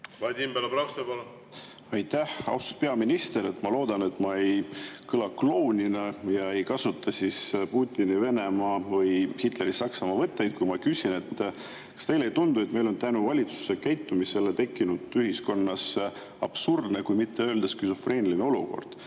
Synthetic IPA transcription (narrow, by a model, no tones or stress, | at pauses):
vɑd̪ʲimbælɑpɾɑwst̪ebol | ɑjt̪ːæhɑ̰wst̪u̥pe̞ɑminist̪e̞ɾe̞t̪ːˑmɑlo̞ːd̪̥ɑne̞t̪ːˑmɑejkɤlɑklo̞ːnʲinɑjɑe̞jkɑsut̪ʰːˑɑsispuːt̪ʲːinive̞ne̞mɑːvɤjhit̪ˑle̞ɾisɑksɑmɑvɤt̪ːe̞jd̪̥̚kujmɑkysʲine̞t̪ː | kɑ̥st̪e̞jlejt̪und̪ue̞t̪me̞jlo̞nt̪ænuvɑlʲit̪su̥se̞kæjt̪ːumise̞let̪e̞kːˑinud̪̥yɦisko̞nːɑs | ɑb̥surd̪ne̞kujmit̪ːeøːld̪̥eskysofreːnilineo̞lṵko̞̰rd̪̥